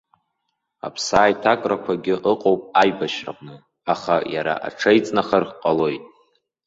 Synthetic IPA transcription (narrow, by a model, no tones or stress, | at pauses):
a̰pʰsaːjtʰakʼrakʷʰaɡʲɪʔəqʼowpʼajbaʃra̰qʼnɨ | aχajaɾa̰ʔa̰ʈ͡ʂʰajt͡sʼnaχarqʼalo̞jtʼ